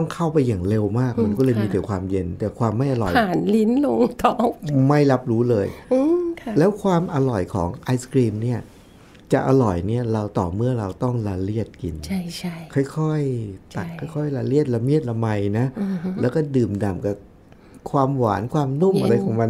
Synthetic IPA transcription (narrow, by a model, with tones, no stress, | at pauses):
t̪ɔ˥˩ŋkʰa˥˩wpa˧jːaː˨˩ŋle˧wmaː˥˩k̚ma˧nkɔː˥˩lɤː˧jmiː˧t̪ɛː˨˩˦kʰwaː˧mje˧nt̪ɛː˨˩kʰwaː˧mːa˥˩jʔa˧lɔ̰˨˩jaː˨˩˦nli˦˥nlo˧ŋt̪ʰɔ˨˩˦ma˥˩jla˦˥p̚ɾuː˦˥lɤː˧jɯ˧˩lɛː˦˥wkʰwaː˧mʔa˧lɔ˨˩jkʰɔ̰ː˩˦ŋʔa˧˥jskɾiː˧mni˥˩ɐ | t͡ɕa̰˨˩ʔa˧lɔ˨˩jni˥˩ɐɾa˧wt̪ɔː˨˩mɯ˥˩ɐɾa˧wt̪ɔ˥˩ŋla˧li˥˩ət̪̚kḭ˧nt͡ɕʰa˥˩t͡ɕʰa˥˩kʰɔ˥˩jkʰɔ˥˩jt̪a˨˩kkʰɔ˥˩jkʰɔ˥˩jla˧li˥˩ət̪̚la˧mi˥˩ət̪̚la˧ma˧jna˦˥˧lɛː˦˥wkɔː˥˩dɯː˨˩mda˨˩mka˨˩ | kʰwaː˧mwaː˩˦nkʰwaː˧mnu˥˩mʔa˧ɾa˧jkʰɔː˩˦ma˧